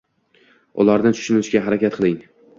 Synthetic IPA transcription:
ʊ̰laɾd̪ɪnt͡ʃʰʊ̥ʃɪnɪʃɡʲaɦaɾakʲat̪̚qʰɨlˠɪŋ

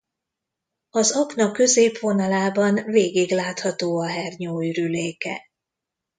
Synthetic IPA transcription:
ɒzɒknɒkø̞zeːpʋo̞nɒlaːbɒnveːɡiɡlaːt̪hɒt̪oːɒɦɛrɲoːryleːkɛ̰

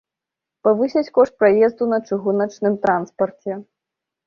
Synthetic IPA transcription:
pavɨsʲɛt͡sʲkɔʂt̪̚pɾajɛzd̪unɐt͡ʂɨɣunɐt͡ʂnɨmt̪ɾanspɐrt͡sʲɛ

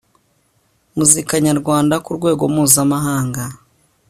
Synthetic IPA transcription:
muzikaɲaɾɡwaːndakuɾɡwe̞ːɡo̞muːzamaɦaːŋɡa

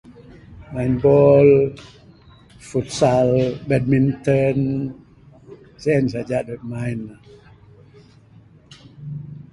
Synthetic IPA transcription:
majnbɔl | fut̪salbɛd̚mint̪ən | siɛns̬ad͡ʒaʔdɔk̚majna

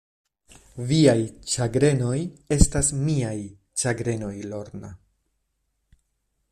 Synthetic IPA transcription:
viajt͡ʃaɡɾe̞no̞je̞stasmiaj | t͡ʃaɡɾe̞no̞jlo̞ɾna̰

